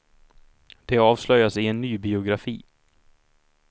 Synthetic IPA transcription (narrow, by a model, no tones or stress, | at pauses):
d̪̥ɛɑːvslœjasɪɛnːyːbɪʊɡɾafḭː